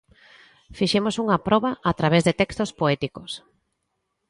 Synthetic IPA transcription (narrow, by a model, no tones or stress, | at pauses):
fiʃemosuŋɐpɾɔβɐat̪ɾaβezðet̪ɛkst̪ospoɛt̪ikos